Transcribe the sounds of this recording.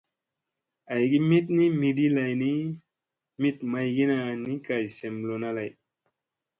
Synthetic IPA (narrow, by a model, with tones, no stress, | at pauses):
a˨jɡi˦mi˦t̪̚ni˦mi˧di˦la˨jni˦ | mi˦t̪ma˧jɡi˦na˧ni˦ka˨jse˨mlo˧na˦la˨j